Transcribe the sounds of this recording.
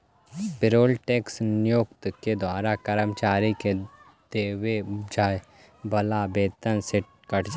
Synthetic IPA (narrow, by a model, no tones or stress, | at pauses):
pɪɾoːlʈeːksnɪjoːkt̪ked̪waːɾakɐɾəmt͡ʃaːɾike | d̪̥eːʋed͡ʒaː | bɐlabeːt̪ənseʈ̚ | kəʈʰd͡ʒ